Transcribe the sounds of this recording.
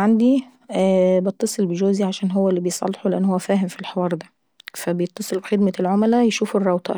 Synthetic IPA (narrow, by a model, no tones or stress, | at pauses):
ʕand̪i | bet̪ˤːɑsˤelbeʒoːziʕaʃæːnɦowːælːibejesˤɑ̰lːeħoleʔænːhowːæfæːɦemfilħewɑːɾˤd̪æ̥ | fæbejet̪ˤːɑsˤelbxed̪mælʕomælæjeʃuːferˤːɑwt̪ˤɑ̰ʔ